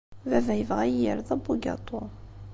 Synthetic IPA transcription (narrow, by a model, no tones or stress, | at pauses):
vævæjəvʁæəɾðˤɑbuɡɑ̰t̪ˤːo